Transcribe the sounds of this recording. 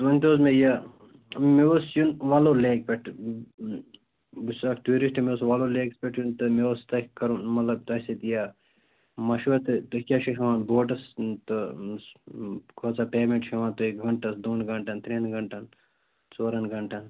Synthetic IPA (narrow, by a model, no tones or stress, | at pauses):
ʋɐnʲt̪oːzmejaː | meʋosjunʋaːloleːk̚pʲeʈ | busakʈuːɾisʈimeosʋaːloːleːkspeʈʰjunt̪ɨmeʋost̪ɐkkɐɾunmɐt̪lɐb̚t̪ɐset̪ijaː | mɐʃʋɐt̪ɨt̪ɨkʲaʃʰiɦɐʋãːnboːʈ̬ɐst̪ɨ | kʰoːt͡sapeːmẽɳʈt͡ʃɐʋaːnt̪oekɡɐɳʈɐsd̪oːnɡɐɳʈɐnt̪ɾiːnɡɐɳʈɐn | t͡soːɾɐnɡʱɐɳʈɐn